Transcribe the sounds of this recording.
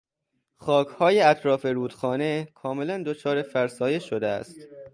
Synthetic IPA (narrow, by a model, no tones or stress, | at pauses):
xɒːkʰhɒːje̞æt̪ʰɾɒːfe̞ɾuːd̪̥xɒːne̞kʰɒːme̞lænd̪ot͡ʃʰɒːɾe̞fæɾsɒːjeʃːo̞d̪eæ̰st̪